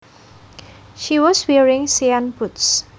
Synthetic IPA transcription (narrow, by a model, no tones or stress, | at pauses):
ʃiwɔswɛɹĩŋsiãnputs